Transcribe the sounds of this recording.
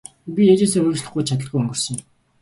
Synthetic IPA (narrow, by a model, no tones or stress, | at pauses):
pʲijat͡ɕeːseːɵɾʲɵ̆t͡ɕɮə̆χɡuːjt͡ɕʰat̪̬ə̆ɮɡujɵŋɡɵ̆r̥sɞ̆ŋ̆m